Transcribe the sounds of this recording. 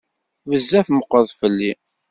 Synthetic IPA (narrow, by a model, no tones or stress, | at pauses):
vəzːæfməqːəðˤfəlːi